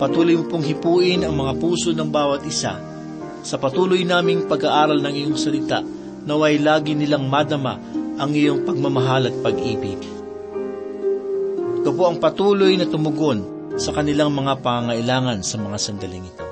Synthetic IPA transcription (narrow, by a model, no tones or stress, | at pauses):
pɐt̪uːlojmʊpoŋɦɪpuːʔɪnɐŋmɐŋapuːso̞nɐŋbaːwɐt̪ʔɪsa̰ | sɐpɐt̪uːlojnaːmɪŋpɐɡaʔaːɾɐlnɐŋɪjoŋsɐlɪt̪a̰ʔ | nɐwɐjlaːɡɪnɪlaŋmad̪ɐma̰ | ʔɐŋɪjo̞ŋpɐɡ̚mɐmɐɦaːlɐt̪̚pɐɡʔiːbɪɡ | k̪ɐpoʔɐŋpɐt̪uːlojnɐt̪ʊmʊɡo̞n | sɐkɐnɪlaŋmɐŋapɐŋaŋɐʔɪlaːŋɐnsɐmɐŋasɐnd̪ɐlɪŋɪt̪a